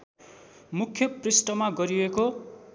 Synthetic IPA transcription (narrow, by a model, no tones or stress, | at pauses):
mukʰːjʌprisʈʌmaɡʌɾieko